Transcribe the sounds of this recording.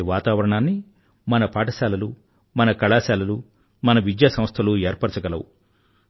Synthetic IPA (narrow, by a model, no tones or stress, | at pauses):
ʋaːt̪aːʋɐɾɐɳaːnːi | mɐnɐpaːʈɐsaːlɐlu | mɐnɐkɐɭaːsaːlɐlu | mɐnɐʋid͡ʒjaːsɐ̃mst̪ʰɐlueːɾpɐɾt͡ʃɐɡɐlɐwu